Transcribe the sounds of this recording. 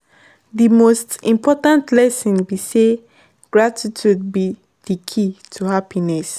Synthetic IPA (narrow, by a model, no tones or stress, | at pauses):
dimostĩmpʰɔtãntlɛsɔ̃nbise | ɡ̥ɹatʰitʰud̚bi | dikʰitʰuhapinɛs